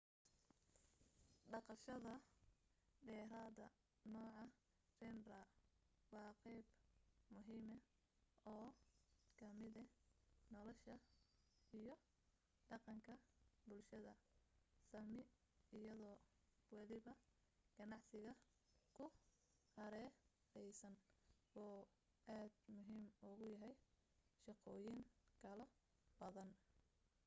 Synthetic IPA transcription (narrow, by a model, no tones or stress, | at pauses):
ɖɑqɑʃɐðɐ | ɖɛːɾaːðɐ̰ | nɔːʕɑ | rɛnrɐwɑːqɛjbmʊɦiːmɛ | ɔːkʰɐmɪðɛnɔlɔʃɐ | ijɔ | ɖɑqɑŋkʰɐbʊlʃɐðɐsɐmɪ | ɪjɐðɔː | wɑlɪβɐ | ɡ̥ɐnɑʕsɪɣɐ | kʰʊ | hɐɾɛː | ɛjsɐnʔɔː | ʔaːd̪mʊɦiːmʊɣʊjɐɦɛj | ʃɑqɔːjɪŋkʰɐlɔ | b̥ɐðɐn